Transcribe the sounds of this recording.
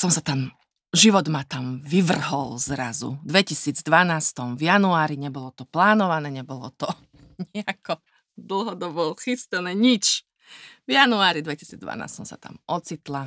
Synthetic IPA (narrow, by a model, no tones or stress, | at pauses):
sɔmsat̪am | ʒiʋɔd̪mat̪amʋiʋr̩ɦɔlzɾazṵd̪ʋɛcisiːd͡zd̪ʋanaːst̪ɔmvjanuaːɾiɲɛbɔlɔt̪ɔplaːnɔʋanɛːɲɛbɔlɔ̰t̪ɔ | ɲɛakɔ | d̪l̩ˠɦɔd̪ɔbɔxist̪ɛnɛːɲit͡ʃ | vjanuaːɾid̪ʋɛci̥siːd͡zd̪ʋa̰na̰ːst̪sɔmsa̰t̪a̰mɔt͡sit̪la